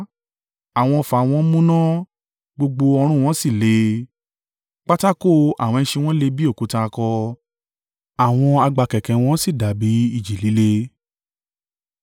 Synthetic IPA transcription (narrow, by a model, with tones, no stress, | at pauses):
a˦˨w̃ɔ̃˧fa˨w̃ɔ̃˧˦mũ˦nã˦ | ɡ͡bo˧ɡ͡bo˧ɔ˧ɾ̃ũ˦˨w̃ɔ̃˦si˦˨le˨˦ | k͡pa˦ta˦ko˦˨a̰˨w̃ɔ̃˧ɛ̃˧˦ʃe˧w̃ɔ̃˦le˦bi˦o˦˨ku˨˦ta˧kɔ˧ | a˨w̃ɔ̃˧a˧ɡ͡ba˧kɛ˨kɛ̃˨w̃ɔ̃˦si˦˨da˨bi˨˦i˦˨d͡ʒi˨li˨˦le˧